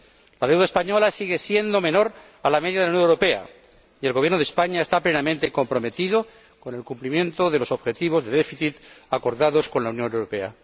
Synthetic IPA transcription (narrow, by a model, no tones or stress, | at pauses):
laðe̞wðaespaɲo̞lasiɣesje̞nd̪o̞mẽ̞no̞ɾ | alameðjaðlunjonewɾo̞pe̞a̰ | ie̞lɣojeɾnoðespaɲaest̪aple̞namẽnt̪e̞ko̞mpɾo̞me̞t̪iðo̞ | ko̞ne̞lkumplimjẽ̞nt̪o̞ðe̞lo̞so̞βxe̞t̪iβ̞o̞zðe̞ðefiθit̪ako̞ɾðaðo̞sko̞nlaunjõ̞newɾope̞a̰